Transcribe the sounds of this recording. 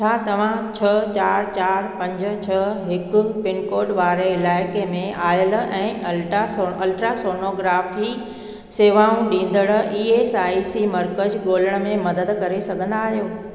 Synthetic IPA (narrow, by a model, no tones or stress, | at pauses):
t͡ɕʰaːt̪ɐʋ̤ãt͡ɕʰɐt͡ɕaːɾt͡ɕaːɾpɐ̃ɲd͡ʑ̆t͡ɕʰɐɦɪkʊ̆pɪnkoːɖʋaːɾeɪlaːɪkemẽaːjəl̆ɛ̃ːɐlʈasoɐlʈɾasoːnoːɡɾaːfi | seːʋaːũɗĩːn̆d̪əɽ̆ʔiːeːsaːisimɐɾkəd͡ʑɠoːləɽ̃ə̆mẽmɐd̪əd̪kɐɾesɐɡʱə̃nd̪aːɦijoː